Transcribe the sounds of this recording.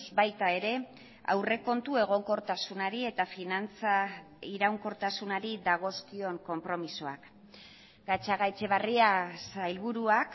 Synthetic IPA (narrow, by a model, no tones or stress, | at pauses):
zbajt̪ae̞ɾe̞ | a̰wre̞ko̞nt̪ue̞ɣ̞o̞ŋko̞ɾt̪asunaɾie̞t̪afinant͡sa | iɾawŋko̞ɾt̪asunaɾid̪aɣ̞o̞skio̞ŋko̞mpɾo̞miso̞ak | ɡ̥at͡ʃaɣajt͡ʃe̞β̞ariasajlβuɾuak